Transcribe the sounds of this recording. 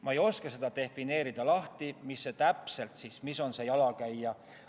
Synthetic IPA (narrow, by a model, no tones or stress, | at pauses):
mʔɑejo̞skese̞d̪̥ɑt̪e̞fine̞ːɾid̪ɑlɑht̪imisːe̞t̪æpse̞lt̪sismiso̞nse̞jɑlɑkæjːɑ